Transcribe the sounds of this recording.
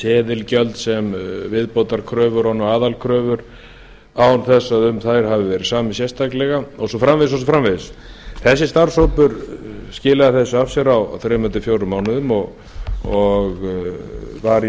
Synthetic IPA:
tɛːðɪlcœlt̪sɛmvɪðpoːwt̪aɾkʰɾœːvʏɾɔnɔaːðalkʰɾœːvʏɾ | awnθɛsːaðʏmθajɾ̥ɦavɪvɛːɾɪsaːmɪsjɛst̪ʰaklɛɣaɔsɔfɾamvɪðɪs̬ɔsɔfɾamvɪðɪsθɛsːɪst̪aɾsɔpʏɾscɪːlaðaθɛsːʏafsɛɾaw̰θɾeːmœnt̪ɪfjowɾʏmaːwnʏðʏmɔɣ | ɔɣ | vaɾ

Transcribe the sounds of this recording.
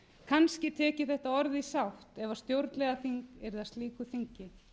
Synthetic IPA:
kʰanscɪt̪ʰɛːcɪθɛht̪aɔɾðɪisawht̪ɛvast̪jowɾt̪lɛɣaθiŋkɛɾθaðst̪liːkʏθiɲcɪ

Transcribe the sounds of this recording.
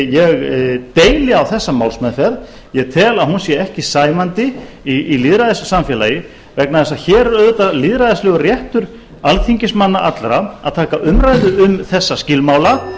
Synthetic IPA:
jɛɣt̪eːjlɪawθɛsːamaːwlsmɛðfɛð | jɛɣt̪ʰɛːlaðhunsjɛɛhcɪsaːjmant̪ɪ | iiliðɾaðɪssamfjɛlajɪ | vɛk̚naðθɛs̬açɛːɾɛɾœːðʏt̪aliːðɾaðɪslɛːɣʏrjɛht̪ʏɾ̥ | alθʰiɲcɪsmanːaʔat̪lɾaa̰ðt̪ʰaːkaʔʏmɾaːjðʏʏmθɛsːascɪlmaːwla

